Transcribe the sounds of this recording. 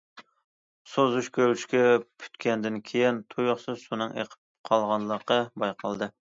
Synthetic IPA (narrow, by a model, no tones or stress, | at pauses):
sozuʃkʲʰølyʃkʲɛpʰy̥t̪kʲɛnd̪ɪnkʲʰejint̪ʰujʊχsɨzsunɨŋḛqʰə̥p̚qʰɑlˠʁɑnlˠəqɑbɑjqʰɑlˠd̪ɨ